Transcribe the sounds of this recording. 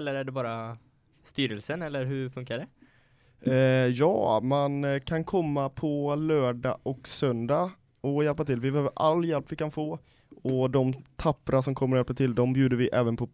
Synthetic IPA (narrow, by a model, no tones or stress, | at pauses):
ɛlːəɾæɖɛbɑːɾa | st̪yːɾəlsənɛlːəɾɦɵɾfɵŋkaɖɛ | jɑ̰ːmankʰankʰɔmːapʰɔlœːɖɑ̰ʔɔksœnd̪a | ɔjɛlpat̪ʰɪlvɪbɛhøːvəɾʔa̰lːjɛlpːvɪkanfoː | ɔd̪ɔmt̪ʰapːɾasɔmkʰɔmːəɾɔjɛlpat̪ʰɪld̪ɔmbjʉːd̪əvɪʔɛːvənpʰɔ